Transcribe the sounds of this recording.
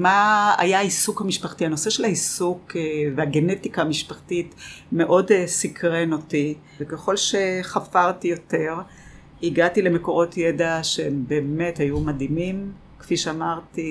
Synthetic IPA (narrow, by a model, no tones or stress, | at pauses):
maa̰jaaisukhamiʃpaχtiano̞se̞ʃelhaisukveaɡe̞netikaːmiʃpaχtitme̞ʔo̞dsikʁenoti | ekeχo̞lʃe̞χafaʁtijo̞te̞ʁ | iɡatile̞meko̞ʁo̞tjedaʃeembe̞ːme̞thajumadimim | kfiʃeamaʁti